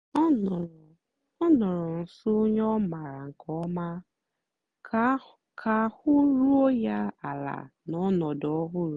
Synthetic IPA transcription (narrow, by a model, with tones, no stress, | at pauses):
ɔ˦n˨ | ɔ˦nʊ˨ɾʊ˨n̩˨sʊ˦ɲɔ˦ma˨ɾa˨ŋ̩˨kʰɔ˦ma˦ | kʰa˨hʊ˦ɾu˦o˦ja˦a˨la̰˨nɔ˦nɔ˨dɔ˦ɦʊ˦ɾu˨